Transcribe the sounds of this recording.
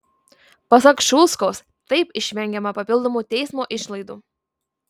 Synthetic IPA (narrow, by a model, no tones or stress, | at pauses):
pɐsɐkʃuːskoːs | t̪ɐɪpɪʃʲʋʲɛŋʲɡʲɛmɐpɐpʲɪlˠd̪oːmuːt̪ʲɛɪsmoːʔɪʃlˠɐɪd̪uː